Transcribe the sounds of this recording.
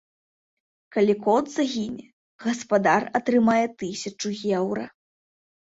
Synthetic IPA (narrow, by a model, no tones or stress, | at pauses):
kɐlʲikɔd̪zɐɣʲinʲɛ | ɣɐspad̪arɐt̪ɾɨmajɛt̪ɨsʲɐt͡ʂuɣʲɛwɾɐ̰